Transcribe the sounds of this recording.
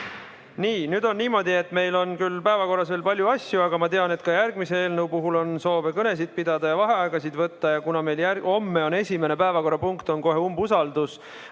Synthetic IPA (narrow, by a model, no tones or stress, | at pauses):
niːnyːd̪̥o̞nːiːmo̞ːd̪ie̞t̪ːˑme̞jlo̞nkylpæevɑko̞rːɑsveːlpɑlʲjuɑsjuɑɡɑmɑt̪e̞ɑne̞t̪kɑjærɡ̥misee̞ːlnewpuɦulo̞nso̞ːvekɤne̞s̬id̪̥̚pid̪̥ɑd̪̥ɑjɑvɑɦe̞ɑeɡ̥ɑsid̪vɤt̪ːɑjɑkunɑme̞jljæo̞mːeo̞ne̞sʲime̞ne̞pæevɑko̞ɾːɑpuŋkt̪o̞nko̞ɦe̞umbusɑld̪us